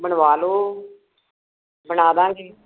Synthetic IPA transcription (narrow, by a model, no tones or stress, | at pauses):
bəɳʋaːloː | bəɳaːd̪ãːd͡ʒiː